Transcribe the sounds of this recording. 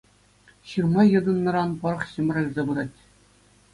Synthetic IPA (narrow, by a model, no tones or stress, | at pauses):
ɕɯrmɑjɤ̆d̪ɤ̆nːɤ̆ɾɑnpɤ̆ɾɤ̆χɕɤm̆rɑjʲzɑbɯɾɑtʲ